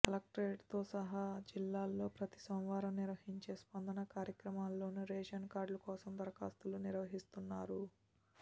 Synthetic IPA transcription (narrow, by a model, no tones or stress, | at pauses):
kɐlɐk̚ʈɾeːɖt̪o̞ːsɐɦaːd͡ʒilːaːlːo̞ːpɾɐt̪i̥sɔnʋaːɾɐmniɾʋɐɦiɲt͡ʃe̞ːspɐnd̪ɐnɐkaːɾjɐkɾɐmaːlːo̞ːnuɾeːʃɐnkaːɾɖlukɔːsɐmd̪ɐɾɐkaːst̪uluniɾʋɐɦist̪unːaːɾu